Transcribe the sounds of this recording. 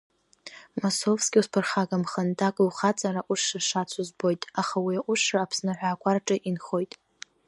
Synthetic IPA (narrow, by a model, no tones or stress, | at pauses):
mosovskʲʼiuspʰɨrχaɡamχəndʰakʼwχat͡sʼaɾaʔʷʊʂaʂat͡sʷʰʊzbo̞jtʼaχawiaʔʷʊʂraapʰsnɨħʷᶣaːkʷʰʼarʈ͡ʂʼɨʔinχo̞jtʼ